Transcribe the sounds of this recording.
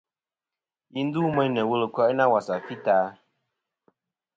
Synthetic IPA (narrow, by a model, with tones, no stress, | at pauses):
ji˦n˦du˦mə˦nə˨wu˦lə˨kɔ˦na˦wa˨sa˨fi˦taː˨˦